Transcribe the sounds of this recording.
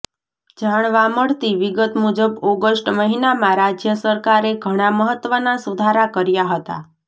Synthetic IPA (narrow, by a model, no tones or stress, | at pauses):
d͡ʒaɳ̃ʋãməɽt̪iʋiɡət̪mud͡ʒəbɔɡəsʈməɦinamãɾad͡ʒjəsəɾkaɾeɡʱəɽ̃aməɦət̪ːʋənasud̪ʱaɾakəɾjaɦət̪a̰